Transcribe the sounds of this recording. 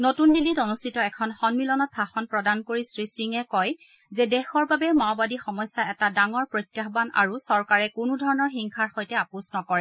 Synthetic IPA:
notundilːitɔnustʰitɔɛkʰɔnxɔnmilɔnɔt̚bʰʱaxɔnpɹɔdankoɹisɹisɹiŋɛkɔj | zɛdɛxɔɹbabɛmawbadixɔmɔjsːaɛtadaŋɔɹpɹojtːjaxbana̰ɹusɔɹkaɹɛkʊnudʱɔɹɔnɔɹxiŋkʰaɹxɔjtɛapusnɔkɔɹɛ

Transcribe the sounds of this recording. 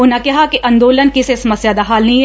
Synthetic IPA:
ʊnakɐɦakiʔɐ̃nd̪oːlənkisesɐməsjaːd̪aɦaːlnĩ

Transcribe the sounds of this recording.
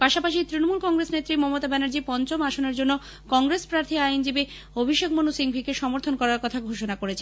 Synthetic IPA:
paʃapaʃit̪ɾinomulkɔŋɡɾesnet̪ːɾimɔmot̪abɛnaɾd͡ʑipɔnt͡ɕomaʃoneɾd͡ʑonːo | kɔŋɡɾespɾaɾt̪ʰiajnd͡ʑibi | obʱiʃekmonusiŋbʱikeʃɔmoɾt̪ʰonkɔɾaɾkɔt̪ʰaɡʱoʃonakoɾet͡ɕʰe

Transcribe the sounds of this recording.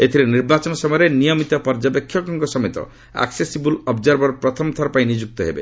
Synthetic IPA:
et̪ʰiɾeniɾbat͡ʃɔnɔsɔmɔjɔɾenijɔmit̪ɔpɔɾd͡ʒapekʰːjɔkɔŋkɔsɔmet̪ɔ̰ | a̰ksesibulɔbd͡ʒɔɾbɔɾɔpɾɔt̪ʰɔmɔt̪ʰɔɾɔpaĩnid͡ʒuk̚t̪ɔɦebḛ

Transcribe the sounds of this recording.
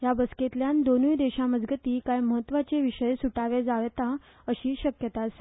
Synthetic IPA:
jabəsket̪ljand̪onujd̪eɕaməd͡zɡət̪iːkajməɦət̪ːʋat͡seʋiɕəjesuʈaʋed͡zaʋɛt̪a | əɕiːɕəkjət̪as

